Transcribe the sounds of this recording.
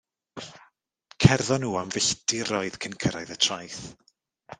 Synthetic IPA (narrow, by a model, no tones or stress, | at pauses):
kʰɛrðɔnuːamvɪɬdɪɾɔɨð̥kʰənkʰəɾajðətʰrajθ